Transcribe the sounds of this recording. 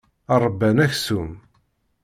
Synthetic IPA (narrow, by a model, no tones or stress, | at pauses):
ɑɾˤəbːænæçsum